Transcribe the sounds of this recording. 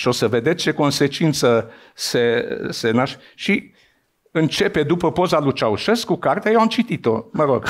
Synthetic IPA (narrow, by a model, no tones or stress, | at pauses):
ʃio̞səve̞d̪et͡ʃe̞ko̞nse̞t͡ʃint̪sə | se̞senaʃ | ʃi | ɨnt͡ʃe̞pe̞d̪upəpo̞zalut͡ʃauʃeskːukart̪eajewamt͡ʃit̪it̪o̞məɾo̞ɡ̥